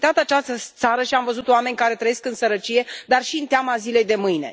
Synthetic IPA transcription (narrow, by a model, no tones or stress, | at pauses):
t̪at̪at͡ʃast̪əsaɾəʃiamvəzut̪oame̞nʲkaɾe̞t̪ɾəjeskɨnsəɾət͡ʃije̞d̪arʃiɨnt̪eamazile̞jd̪e̞mɨjne̞̰